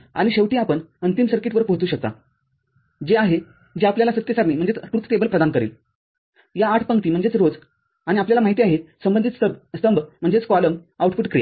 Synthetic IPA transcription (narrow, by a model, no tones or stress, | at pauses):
a̰ɽ̃iɕeʋʈiːapəɳənt̪imsəɾkiʈʋəɾpəɦt̪uːɕək̚t̪a̰ | d͡ʑeaɦe | d͡ʑeapljalasət̪jəsaɾniːm̤əɳd͡zet͡səʈɾut̪tebəlpɾəd̪ankəɾḭːl | jaːʈʰpəŋkt̪iːm̤əɳd͡zet͡sɾod͡z | aɽ̃iapljalamaɦit̪iaɦesəmbənd̪it̪səst̪əmbm̤ːəɳd͡zet͡skɔləmawʈfuːʈkɾe